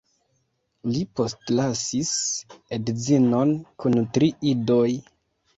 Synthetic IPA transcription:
lipo̞stlasisedzinonkuntɾiidoj

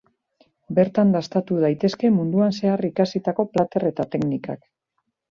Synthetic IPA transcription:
be̞ɾt̪and̪ast̪at̪uðajt̪e̞ske̞mund̪uanse̞arikasit̪ako̞plat̪e̞re̞t̪at̪e̞knika̰k

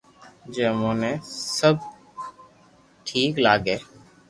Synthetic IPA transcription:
d͡ʒeːmõːnẽːsəb̚ | ʈʰiːklaːɡeː

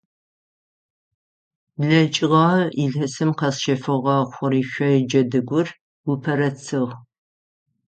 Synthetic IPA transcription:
bɮɐt͡ʃʼɪʁɑːiɮɐsɨmqɐsʃɐfɨʁɑːχʷʊriːʃʷɐjɪd͡ʒɐdɨɡʷʊr | wʊpʰɐɾɐt͡sʰɨʁ

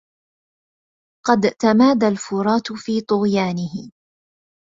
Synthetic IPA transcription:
qɑd̪t̪amaːd̪alfʊɾˤɑːt̪fiːt̪ˤʊɣjaːnɪɦɪ

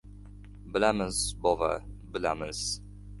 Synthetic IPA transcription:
bɪlamɪzbɒva̰bɪlamɪz̥

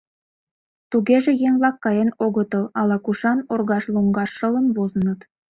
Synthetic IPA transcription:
t̪uɣʲeʒĕjeŋlˠɑkːɑjenoɣɤ̆t̪ɤ̆lˠɑlˠɑkuʃɑnorɣɑʃlˠuŋɡɑʃːɤ̆lˠɤ̆mβozə̆nɤ̆t̪

